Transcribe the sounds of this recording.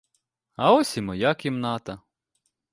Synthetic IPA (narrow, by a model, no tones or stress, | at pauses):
ɐɔsʲimɔjakʲimnɑt̪ɐ